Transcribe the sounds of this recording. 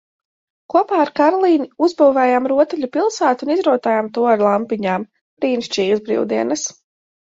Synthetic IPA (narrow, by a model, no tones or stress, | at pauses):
kuɔpaːaɾkaɾɔlˠiːniuzbuːvɛːjaːmɾuɔt̪uʎʲupilˠsaːt̪unizɾuɔt̪aːjaːmt̪uɔaɾlˠampiɲaːm | ɾiːnʃt͡ʃiːjzbɾḭwd̪iɛnas